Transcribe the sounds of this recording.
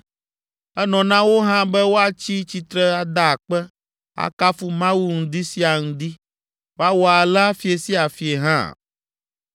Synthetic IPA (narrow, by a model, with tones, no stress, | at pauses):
ɛ˦nɔ̃˨nã˦wo˦ɦã˦bɛ˦wo˦a˨t͡ɕi˦t͡ɕi˨t̪ɾɛ˦a˨d̪a˦˨k͡pɛ˦ | a̰˨ka˦fu˦mã˦wu˦ŋ̩̃˦d̪i˦si˦a˨ŋũ˦d̪i˦ | wo˦a˦wɔ˦a˨la˦fi˨˦e˨si˦a˨fi˨e˨ɦã̰˦˨